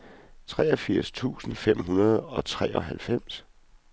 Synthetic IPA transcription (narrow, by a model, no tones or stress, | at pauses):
t͡sʰʁɛːɒ̽fiɐ̰st͡sʰṵːsn̩fem̰ɦunɐð̞̩ˠɒ̽t͡sʰʁɛ̰ːʔɒ̽ɦælfem̰s